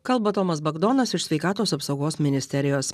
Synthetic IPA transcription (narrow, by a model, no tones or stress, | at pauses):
kɐlˠbɐt̪oːmɐsbɐɡd̪oːnɐsɪʃsʲʋʲɛɪkɑːt̪oːsɐpsɒʊɡoːsmʲɪnʲɪsʲt̪ʲɛɾʲɪjoːs